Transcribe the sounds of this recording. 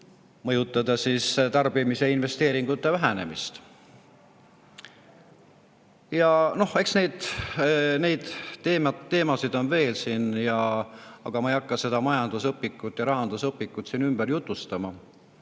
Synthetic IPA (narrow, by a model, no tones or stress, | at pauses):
mɤjut̪ːˑɑd̪ɑsiːst̪ɑrb̥imise̞inve̞st̪e̞ːɾiŋɡ̥ut̪ːˑe̞væɦæne̞̰mist̪ | jɑno̞he̞ksne̞jd̪ | ne̞jd̪̥t̪ːe̞ːmɑːe̞ːmɑsid̪̥o̞nve̞ːlsinjɑɑ̰ɡ̥ɑmɑejɑkːɑse̞d̪̥ɑmɑjɑnd̪usɤpːˑikːˑut̪ːˑjɑɾɑɦɑnd̪̥usɤpːikːˑut̪sinymb̥eɾjut̪ˑːust̪ɑmɑ